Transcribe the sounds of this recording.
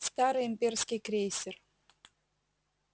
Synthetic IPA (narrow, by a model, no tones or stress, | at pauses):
st̪aɾɨjɪmʲpʲerskʲɪjkɾʲesʲɪr